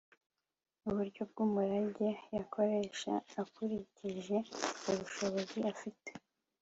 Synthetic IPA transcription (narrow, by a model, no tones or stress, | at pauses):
uβuɾɟo̞b̚ɡuːmuɾaɟejakʰo̞ɾe̞ʃa̰ːkuɾiciʒe̞uβuʃo̞βo̞ziafite